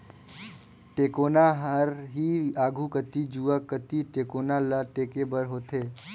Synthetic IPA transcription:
ʈeːkoːnaɦəɾɦiaːɡʱukət̪id͡ʒuːakət̪iʈeːkoːnaləʈeːkebəɾɦoːt̪eː

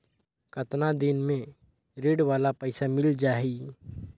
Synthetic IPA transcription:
kət̪nad̪ɪnmẽ | ɾeːɖʋaːlapɛɪsamɪld͡ʒaːi

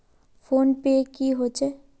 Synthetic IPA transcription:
fʰoːnpekiɦot͡ʃe

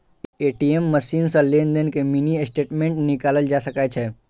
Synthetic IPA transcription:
eʈiemːəsiːnsə̃lend̪ənkeminiesʈeːʈmẽɳʈnikaləld͡ʒasəkat͡ʃʰɛ

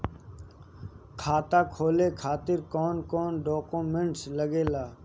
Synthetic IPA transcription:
kʰaːt̪aːkʰoːleːkʰaːt̪ɪɾkɔːnkoːnɖoːkuːmẽɳʈsləɡeːlaː

